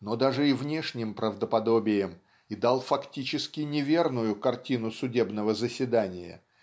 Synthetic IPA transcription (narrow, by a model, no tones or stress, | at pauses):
nod̪aʐɨivnʲe̞ʂnʲɪmpɾəvd̪əpɐd̪obʲɪjəm | id̪alˠfɐktʲit͡ɕɪskʲɪnʲɪvʲe̞rnʊjʊkɐrtʲinʊsʊdʲe̞bnəvəzəsʲvʲɪd̪anʲɪjə̰